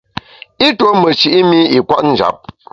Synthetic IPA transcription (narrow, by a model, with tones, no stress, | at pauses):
i˦to˦mə˨t͡ʃi˨ʔi˦mi˦i˨kwa˦ʔn̩˦d͡ʒa̰˨˦p̚